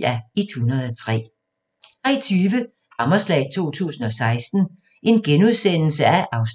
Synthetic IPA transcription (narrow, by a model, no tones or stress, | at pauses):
æit͡sʰunɐð̩ˠɒt͡sʰʁɛ̰ː | t͡sʰʁɛ̰ːɐt͡sʰyːʋə | hɑ̈mɐslɛ̰ɪt͡sʰo̝̰ːt͡sʰṵːsn̩ɒ̽sɑ̈ɪsd̥n̩ | ʔe̝nɡ̥enuð̞ˠsen̰l̩səæʔɑ̈ʊs